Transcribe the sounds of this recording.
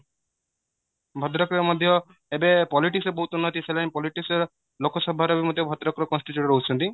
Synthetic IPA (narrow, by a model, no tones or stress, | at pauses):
bʱɔd̪ɾɔkɾeɾmɔd̪ʱjɔ | ebepɔliʈiksɔbɔɦut̪unːɔt̪isʰelanpɔliʈiksɔɾ | lokʰɔsɔbʱaɾebimɔd̪ʱjɔbʱɔd̪ɾɔkɾɔkɔnsʈitjuʈɔɾɦout͡ʃʰɔnt̪i